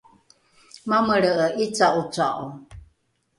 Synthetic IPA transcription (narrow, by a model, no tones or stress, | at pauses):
maməɭəəʔit͡saʔut͡saʔo